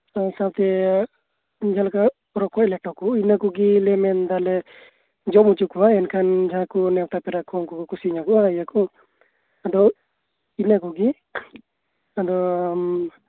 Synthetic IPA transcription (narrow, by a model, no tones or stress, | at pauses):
aisabt̪ɛ | d͡ʒʱalka | ɾɔkɔɛlɛʈɔkuinakuɡilɛmɛnd̪alɛ | d͡ʒɔmut͡ʃukuwaɛnkʰand͡ʒʱakunɛwt̪apɛɾakʰɔŋkɔkɔkusiɲakɔʔaijakɔ | ad̪ɔ | inakuɡi | ad̪ɔ